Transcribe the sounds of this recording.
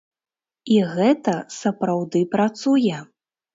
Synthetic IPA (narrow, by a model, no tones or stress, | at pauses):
iɣɛt̪ɐsɐpɾawd̪ɨpɾat̪sujɛ